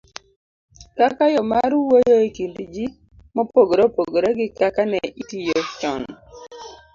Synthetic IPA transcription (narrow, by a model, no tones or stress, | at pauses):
kakajɔmaɾwojoekindid͡ʒi | mɔpoɡoɾopoɡoɾeɡɪkakanɛʔitijot͡ʃɔ̰n